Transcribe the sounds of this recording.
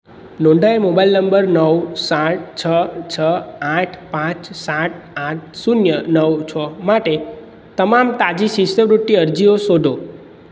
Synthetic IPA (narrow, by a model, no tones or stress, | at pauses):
nõɳɖʱaemobailnəmbəɾnəwsaʈ̚t͡ʃʰət͡ʃʰəãʈʰpãt͡ʃsãʈ̚ʰãʈ̚sunjənəwt͡ʃʰɔmaʈe | t̪əmamt̪ad͡ʒisisəbɾuʈːiəɾd͡ʒiosod̪ʱo